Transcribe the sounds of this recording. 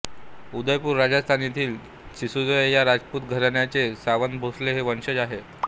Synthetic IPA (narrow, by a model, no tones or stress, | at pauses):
ud̪əjpuːɾːad͡zəst̪ʰanit̪ʰiːl | ɕisud͡zjaɾad͡zput̪ɡʱəɾɳjat͡sesaʋənd̪bʱosleɦeʋənɕəd͡zaɦe